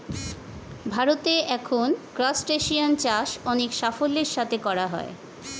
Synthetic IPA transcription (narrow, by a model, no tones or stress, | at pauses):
bʱaɾot̪eʔɛkʰonkɾasʈeʃiant͡ɕaʃɔnekʃafolːeɾʃat̪ʰekɔɾaɦɔ̰e